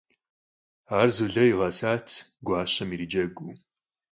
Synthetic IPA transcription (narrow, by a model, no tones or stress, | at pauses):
aːrzɨɮɐiʁɐsaːtʰ | ɡʷɑːɕɐmiɾid͡ʒɐɡʷuː